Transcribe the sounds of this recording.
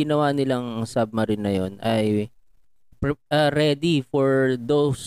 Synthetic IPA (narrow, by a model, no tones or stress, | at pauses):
ɪnɐwanɪlaŋɐŋsab̚mɐɾɪnːɐjonʔɐj | pɐɾɛd̪ifɔɹd̪ows